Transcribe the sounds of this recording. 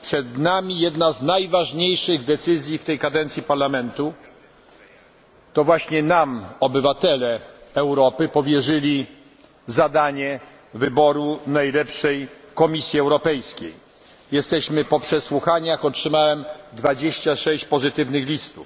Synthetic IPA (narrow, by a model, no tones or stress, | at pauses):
pʂɛd̪namʲijɛd̪naznajvaʐɲejʂɘɣd̪ɛt̪sɘzʲjift̪ɛjkad̪ɛnt̪sʲipaɾlamɛnt̪u | t̪ɔvwaɕɲɛnamɔbɘvat̪ɛlɛɛwɾɔpɘpɔvʲjɛʐɘlʲi | zad̪aɲɛ | vɘbɔɾunajlɛpʂɛjkɔmʲisʲjiɛwɾɔpɛjskʲḛj | jɛst̪ɛɕmɘpɔpʂɛswuxaɲaxɔtʂɘmawɛmd̪vad͡ʑeɕt͡ɕaʂɛɕt͡ɕpɔzɘt̪ɘvnɘxlʲist̪uf